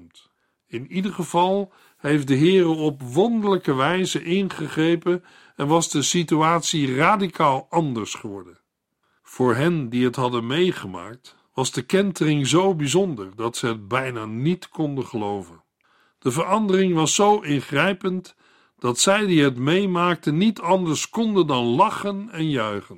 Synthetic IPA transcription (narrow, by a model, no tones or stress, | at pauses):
mt | ɪnidəɹχəv̥ɑlˠ | ɦejf̚dəɦɪːrəɔpʋɔndələkəʋɛjzəʔɪnχəχrejpən | ɛnʋɑzdəsityaːtsiraːdikʰaːlˠɑndəɹsχəʋɔɹdən | v̥ʊːɹɦɛndiɦətɦɑdənmejχəma̰ːk̚t | ʋɑzdəkɛntərɪŋzowbizɔndəɹdɑtsəɦət̚bɛjnaːnitkɔndəχəlowvən | d̥əvəɹɑndərɪŋʋɑsːowʔɪnχrɛjpənt | d̥ɑtsɛjdiɦətmejmaːk̚tənitɑndəɹskɔndəndɑnlɑχənɛnjœɥχən